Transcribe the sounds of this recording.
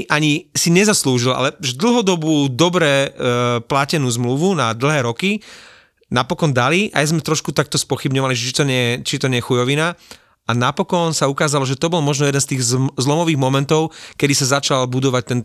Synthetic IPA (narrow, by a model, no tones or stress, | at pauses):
ʔaɲisiɲɛzasluːʒilʔa̰lɛuʒɛd̪l̩ˠɦɔd̪ɔbuːd̪ɔbɾɛ | placɛnuːzmluʋunad̪l̩ɦɛːɾɔki | napɔkɔnd̪aliʔa̰jzmɛt̪ɾɔʃkut̪ak̚t̪ɔspɔxibɲɔʋaliʒɛt͡ʃit̪ɔɲɛɛt͡ʃit̪ɔɲɛjɛxujɔʋina | anapɔkɔnsaukaːzalɔʒɛt̪ɔbɔlmɔʒnɔjɛd̪ɛnst̪iːɣzzlɔmɔʋiːɣmɔmɛnt̪ɔʊkɛd̪isazat͡ʃalbud̪ɔʋac̚t̪ɛn